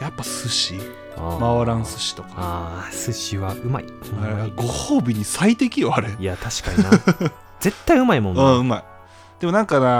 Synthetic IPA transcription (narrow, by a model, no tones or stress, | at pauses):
japːasɨɕi | amaɾãɰ̃sɨ̥ɕi̥t̪o̞kḁasɨɕiβaɯ̟ma̰iɯ̟maɾiɡo̞hoːbʲiɲ̟isait̪e̞kʲiaːɾeiat̪aɕi̥kaɲʲina | d͡ze̞t̪ːaiɯ̟maimõ̞nɯ̃ɯ̟mai | d̪̥e̞mo̞nãŋkana